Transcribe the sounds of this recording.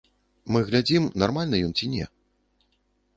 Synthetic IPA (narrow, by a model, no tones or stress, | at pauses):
mɨɣlʲad͡zʲimnarmalʲnɐjɔnt͡sʲinʲɛ̰